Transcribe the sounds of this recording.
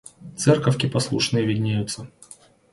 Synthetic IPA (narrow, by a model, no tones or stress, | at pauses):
t̪sɛrkəfʲkʲɪpɐslˠuʂnɨjəvʲɪdʲnʲejʊt̪sə